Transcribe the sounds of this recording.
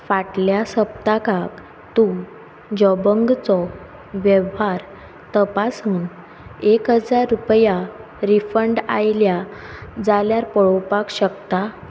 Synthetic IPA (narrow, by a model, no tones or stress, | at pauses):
faʈljasəp̚t̪akak | t̪u | d͡ʑɔbəŋɡt͡sɔ | ʋjəʋɦaɾ | t̪əpasuːn | ekɦəd͡zaɾːupja | ɾifəɳɖa̰jljad͡zaljaɾpəɭɔpakɕəkt̪a